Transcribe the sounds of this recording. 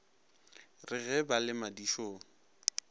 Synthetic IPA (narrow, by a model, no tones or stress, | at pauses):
rɪɣɛbalɪmadiʃoːŋ̩